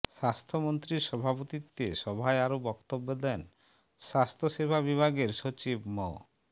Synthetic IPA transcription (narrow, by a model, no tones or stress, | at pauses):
ʃast̪ʰomont̪ɾiɾʃɔbʱapot̪it̪ːeʃɔbʱaeaɾobɔkt̪obːod̪ɛn | ʃast̪ʰoʃebʱabibʱaɡeɾʃot͡ɕibmɔ